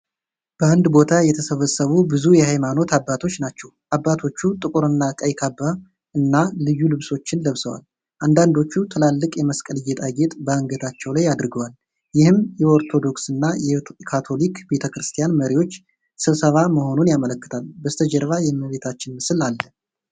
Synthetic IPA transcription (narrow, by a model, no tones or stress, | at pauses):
b̥əand̪bo̞t̪ʰajɛt̪ʰəsəβəsːəβubɨzujɛhajmano̞t̪ʰabːat̪ʰo̞t͡ʃːnat͡ʃːɛwʔabːat̪ʰo̞t͡ʃːut̪ʼɨkʼuɾɨnːakʼəjkʰaba | ɨnːalɨjːulɨβso̞t͡ʃːɪnləβsəwa̰l | ʔand̪and̪o̞t͡ʃːut̪ʰɨlalːɨkʼjɛməskʼəlɨjɛt̪ʼaɡet̪ʼbəɨŋɡət̪ʰat͡ʃːɛwlajad̪ɾɨɡəwal | jɪhɨmjɛo̞ɾt̪ʰo̞d̪o̞ksɨnːajɛkʰat̪ʰo̞likbe̞t̪ʰəkɾɨst̪ʰijanməɾiwo̞t͡ʃː | sɨβsəβaməho̞nunjamələkːɨ̥t̪ʰalbəst̪ʰəd͡ʒɛɾβajɛməβe̞t̪ʰat͡ʃːɪnmɨsɨlalːə